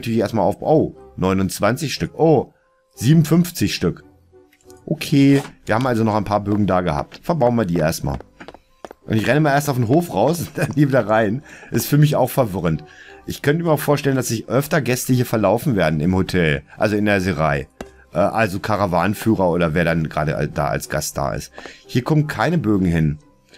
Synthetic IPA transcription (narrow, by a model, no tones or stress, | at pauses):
tyɐlɪçeːɐstmaːlaʊbʔoːnɔʏnʊnt͡sv̥ant͡sɪçʃtʏkʔoː | z̥iːbm̩fʏnft͡sɪçʃtʏk | ʔokʰeːviːɐhaːbm̩alzonɔχaɪnpʰaːɐbøːɡŋ̩daːɡəha̰ːp̚tfɛɐbaʊnviːɐdiːḛːɐstma̰ːl | ʔʊ̰ntɪçʁɛnəmaːleɐstaʊfn̩ɦoːfʁaʊsʊnd̥anhiːɐviːdɐʁaɪnʔɪstfyːɐmɪça̰ʊxfɛɐvɪʁ̞əntʔɪçkʰœntəmiːɐaʊxfoːɐʃtɛləndasz̥ɪçʔœftɐɡɛstəhiːɐfɛɐlaʊfn̩veːɐdn̩ɪmhotʰɛlʔa̰lzoɪndeɐzeʁa̰ɪ | ʔɛːʔalzokʰaʁavaːnnfyːʁɐoːɾɐveːɐdanɡʁa̰ːdə̰a̰d̥a̰ːa̰lsɡ̥a̰st̚d̥a̰ːɪ̰sthiːɐkʰɔmənkʰaɪnəbøːɡŋ̩ɦɪn